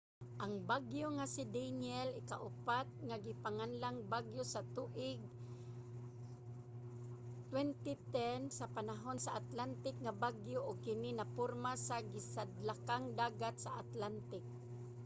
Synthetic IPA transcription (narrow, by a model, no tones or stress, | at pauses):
ʔaŋbaɡjoŋasid̪anɛlɪkaʔʊpat̪̚ŋaɡɪpaŋanlaŋbaɡjosat̪uʔɪɡ̚ | t̪wɛnt̪it̪ɛnsapanaɦonsaʔat̪lant̪ɪk̚ŋabaɡjoʔʊɡ̚kɪnɪnapʊɾmasaɡɪsad̪lakaŋd̪aːɡat̪saʔat̪lant̪ɪk̚